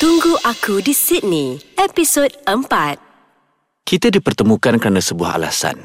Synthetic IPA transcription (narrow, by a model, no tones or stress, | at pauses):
t̪uŋɡuʔakudisit̪̚nĩɛpisod̚əmpat̪̚ | kit̪adipərt̪əmũkankəɾanasəbua̰ɦa̰lasa̰n